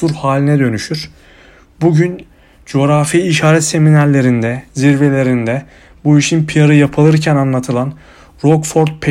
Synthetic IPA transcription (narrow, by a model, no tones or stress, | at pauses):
uɾhaːlʲinɛd̪ø̞nyʃyɾ̥ | buɟyn | d͡ʒo̞ɾafiːʃaːɾɛt̪se̞minæɾlʲe̞ɾind̪ɛziɾve̞lʲe̞ɾind̪ɛ | buiʃinpʰijaɾɯjapʰɯlˠɯɾcʰænanlˠat̪ʰɯlˠan | ɾokfo̞ɾt̪̚pʰe